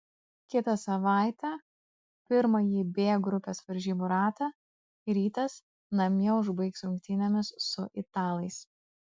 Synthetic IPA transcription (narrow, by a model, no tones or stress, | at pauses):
kʲɪt̪ɐsɐʋɑˑɪt̪ʲɛ | pʲɪɾmɐjiːbʲeːɡɾʊpʲeːsʋɐɾʲʒʲiːbuːɾɑːt̪ɑ | ɾʲiːt̪ɐs | nɐmʲɛʊʒbɐɪksʊŋʲkt̪ʲinʲɛmʲɪsːʊʔɪt̪ɑːlˠɐɪs